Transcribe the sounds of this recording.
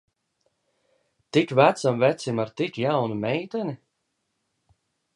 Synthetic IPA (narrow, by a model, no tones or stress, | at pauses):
t̪ikvæt̪samvɛt̪simaɾt̪ikjawnumɛjt̪ɛni